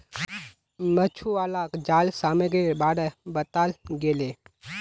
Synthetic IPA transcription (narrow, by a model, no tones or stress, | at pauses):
mət͡ʃʰuaːlaːkd͡ʒaːlsaːmeɡebaːɽebət̪aːlɡeːleː